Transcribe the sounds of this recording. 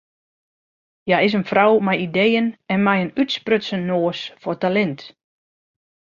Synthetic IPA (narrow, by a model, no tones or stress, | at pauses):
jaɪs̬ənfrawmɛjidejənɛnmɛjənytsprøtsənnːoːsfɔrtalɛnt